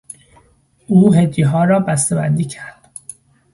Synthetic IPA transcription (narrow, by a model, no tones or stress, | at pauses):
uːɦed̪ːiɦɒːɾɒːbæst̪ebænd̪iːcʰæɾd̪̥